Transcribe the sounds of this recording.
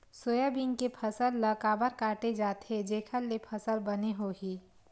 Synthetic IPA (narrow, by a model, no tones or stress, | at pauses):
soːjabiŋkepʰəsəlːɐkaːbəɾkaːʈed͡ʒaːt̪ɦed͡ʒeːkʰəlːepʰəsəlbɐneɦoɡiː